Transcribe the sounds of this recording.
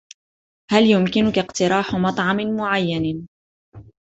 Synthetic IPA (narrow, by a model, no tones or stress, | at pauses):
haljʊmkɪnʊkaqt̪ɪɾɑːħmɑt̪ˤʕɑmɪnmʊʕajːan